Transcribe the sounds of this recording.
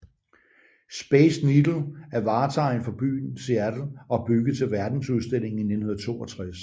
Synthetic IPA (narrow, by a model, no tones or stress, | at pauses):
sb̥esnid̥l̩æɐʋɑ̈ːt͡sʰɑ̈ɪnfɒ̽b̥y̰ːnsiæd̥l̩ʔɒ̽b̥yɡ̥əð̩ˠt͡sʰe̝lʋæɐd̥n̩suð̞ˠsd̥e̝l̰e̝ŋ̩ine̝d̥n̩hoðɐ̥t͡sʰo̝̰ːɒ̽t͡sʰʁas